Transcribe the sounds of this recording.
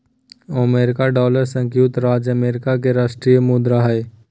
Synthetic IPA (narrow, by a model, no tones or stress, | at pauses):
əmeːɾɪkaɖɔːləɾsə̃ŋkjuːt̪ɾaːd͡ʒəmeːɾɪkak̬eɾaːʃʈɾiːjəmud̪ɾaɦɛe